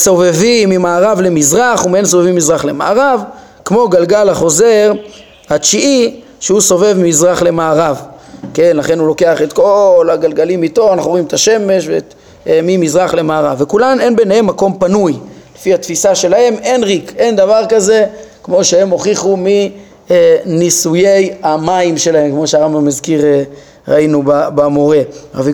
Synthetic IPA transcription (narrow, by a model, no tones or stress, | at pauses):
so̞vevimːimaːʁavle̞mizʁaχumiensovevimːizʁaχle̞ma̰aʁav | kmo̞ɡalɡalaχo̞ze̞ʁ | hat͡ʃiʔi | ʃeuso̞ve̞vmimizʁaχle̞maːʁav | ke̞nlaχe̞nhulo̞ke̞aχet̪ko̞laɡalɡalimit̪o̞anaχnuʁimet̪ʰaʃe̞me̞ʃ̬vet | mimizʁaχle̞maːʁavːekulame̞nbe̞nehe̞mːako̞mpanujlefihat̪fisaʃe̞lahe̞me̞nʁikʔe̞nd̪avaʁkaze̞kmo̞ʃehe̞mo̞χiχumi | enisuje̞jamaimʃe̞lahe̞mkmo̞ʃeaʁambamazkiʁe | ʁa̰inubabemoʁe̞a̰vi